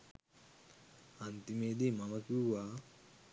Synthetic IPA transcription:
ant̪imeːd̪iːmɐmɐkiʋaː

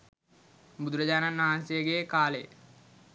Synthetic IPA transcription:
bud̪uɾəd͡ʑaːnanʋɐɦansijəɡeːkaːlej̰

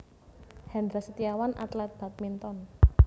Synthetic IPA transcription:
hɛnd̪ɾasət̪iawanʔa̰t̪lɛt̪̚b̥a̤t̪̚mint̪ɔn

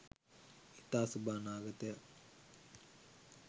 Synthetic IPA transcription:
it̪aːsubaːnaːɡət̪əja

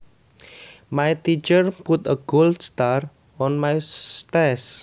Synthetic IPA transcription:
majt̪it͡ʃərput̪əɡ̥oldst̪ar | ɔnmajt̪ɛs

